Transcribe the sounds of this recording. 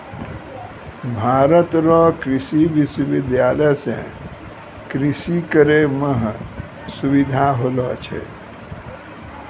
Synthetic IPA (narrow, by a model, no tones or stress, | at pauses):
bʱaːɾət̪ɾɔkɾɪsiʋɪswəʋɪd̪jaːləjsḛ̃ | kɾɪsikəɾeməɦ | suʋid̪ʱaɦolɔt͡ʃʰḛ